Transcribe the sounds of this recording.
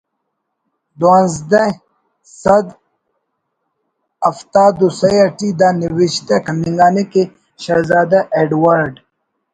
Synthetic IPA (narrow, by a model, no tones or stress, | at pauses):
d̪anzd̪ɐ | sɐd̪ | ɐft̪aːd̪usɐjɐʈid̪aniwiʃt̪ɐkʰɐniŋɡaːneke | ɕɐɾzaːd̪aʔeɖwaɾɖ